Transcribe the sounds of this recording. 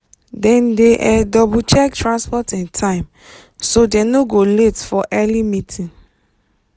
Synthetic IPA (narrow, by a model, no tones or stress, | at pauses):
dɛ̃ndeʔɛdɔbut͡ʃɛktɹãnspɔtɛ̃ntʰãɪ̃m | sodɛnoɡoletfɔʔɛlimitʰĩn